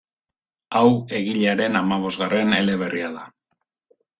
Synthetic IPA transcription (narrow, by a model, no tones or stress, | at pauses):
awe̞ɣiʎeaɾe̞namaβ̞o̞zɣarʔe̞ne̞le̞β̞e̞rʔiaða